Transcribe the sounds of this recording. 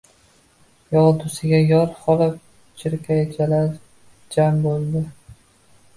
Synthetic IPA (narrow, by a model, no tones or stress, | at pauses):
jɒʁˠd̪ʊsɪɡʲajɒɾχɒlap̚ | t͡ʃʰɪɾkʲʰajat͡ʃʰalaɾ | d͡ʒambolˠd̪ɪ